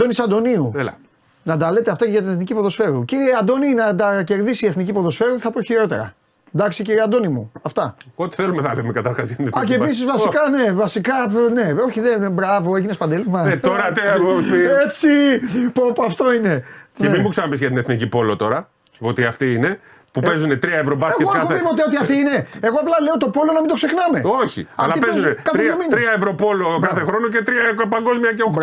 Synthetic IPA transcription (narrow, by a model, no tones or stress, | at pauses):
d̪o̞nisɐd̪o̞niuelɐ̰ | nɐt̪ɐle̞t̪eɐft̪ɐceʝɐt̪ineθnicipo̞ðo̞sfe̞ɾuciɾieɐd̪o̞ninɐt̪ɐce̞ɾðisieθnicipo̞ðo̞sfe̞ɾueθɐpoçiɾo̞t̪eɾɐ̰ | d̪ɐksiciɾieɐnd̪o̞nimuɐft̪ɐot̪i̥θelumeθɐlemekɐt̪ɐɾxɐsɐt̪nɐceːis̬izvɐsikɐne̞vɐsikɐne̞o̞çiðenbɾɐvo̞eʝinespɐnd̪elimɐeoɾɐt̪eosiet͡sipopɐft̪o̞ine̞nemimuksɐnɐpisʝɐt̪ineθnicipo̞lo̞t̪o̞ɾɐ | ot̪iɐft̪iine̞ | pupe̞zunet̪ɾiɐevɾobɐseɣokɐpuθmivot̪iot̪iɐft̪iine̞eɣoɐplɐle̞ot̪o̞po̞lo̞nɐmind̪o̞ksexnɐme̞o̞çḭɐfltɐipezunekɐθɾeɐminɾiɐevɾopo̞lokaθexɾo̞nocet̪ɾiɐpɐŋɡo̞zmiɐceo